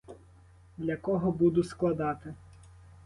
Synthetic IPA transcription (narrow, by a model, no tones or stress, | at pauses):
d̪lʲɐkɔɦɔbud̪ʊsklˠɐd̪ɑt̪ɪ